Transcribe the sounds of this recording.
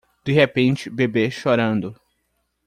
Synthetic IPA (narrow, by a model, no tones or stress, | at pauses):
d̪̥iɦepẽnt͡ʃɪbebeʃoɾɐ̃nd̪ʊ